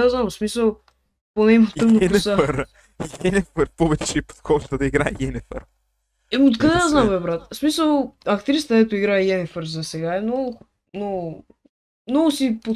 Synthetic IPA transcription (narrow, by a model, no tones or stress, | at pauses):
aznamsmisəlˠ | ponɛmot̪əxnop̪saɾ | ɡɛnʲɛfəɾpɔvɛt͡ʃɛipo̥t̪xɔʒt̪əd̪ɐiɡɾaɛjɛnɛfɛ̰ɾ | ɛot̪kɐd̪ɛd̪aznamɛbɾat̪smisəlˠɐkt̪ɾist̪əd̪ɛt̪ʊiɡɾaɛɡɛnɛfəɾzɐsɛɡaɛmnɔɡʊ | nɔɡʊ | mnɔɡʊsipot̪